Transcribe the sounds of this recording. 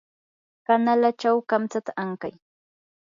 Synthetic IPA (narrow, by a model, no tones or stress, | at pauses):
kanalat͡ʃawkamt͡sat̪aaŋkaj